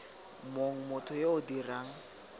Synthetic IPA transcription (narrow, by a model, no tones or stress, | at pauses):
moŋ̩mʊtʰɔjeʊdiraːŋ̩